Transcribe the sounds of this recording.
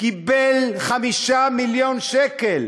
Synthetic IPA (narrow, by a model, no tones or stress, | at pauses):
kibelχamiʃamiljonʃekel